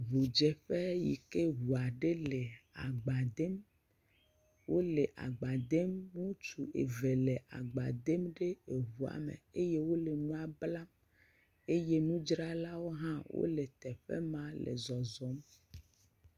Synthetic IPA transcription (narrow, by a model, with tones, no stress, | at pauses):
βu˨d͡ʒɛ˨ɸe˦ji˨ke˦ɦu˨a˨ɖe˦le˨a˨ɡ͡ba˨d̪e˦m | wo˦le˨ʔa̰˨ɡ͡ba˨d̪e˦mŋũ˦t͡ʃu˨ʔḛ˨ve˨le˨ʔa̰˨ɡ͡ba˨d̪e˦mɖe˦e˨ɦu˨a̰˨mḛ˨e˦je˦wo˦le˨nũ˦a˨bla˦m | e˦je˦nũ˦d͡ʒɾa˦la˦wo˦ɦã˦wo̰˦le˨t̪ɛ˨ɸḛ˦mã˦lḛ˨zɔ˨zɔ˦m